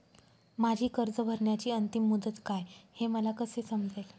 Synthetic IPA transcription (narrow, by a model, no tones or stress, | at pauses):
mad͡ʑʱiːkəɾd͡zəbʱəɾɳjat͡ɕiːənt̪imːud̪ət̪kajheməlakəsesəmd͡ze